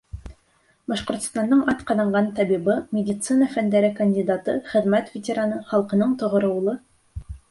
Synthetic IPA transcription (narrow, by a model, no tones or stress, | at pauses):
bɑʃqŏɾt̪ŏ̥st̪ɑnd̪ɤɴʔɑt̪qɑðɑɴɢɑnt̪ɑbibɤmʲɪdʲɪt̪sɨnəfænd̪æɾɘkɐnʲdʲɪd̪at̪ɤχɘ̆ðmæt̪vʲɪtʲɪɾanɤχɑlˠqɤ̆nɤɴt̪ŏʁŏɾɤ̆wlˠɤ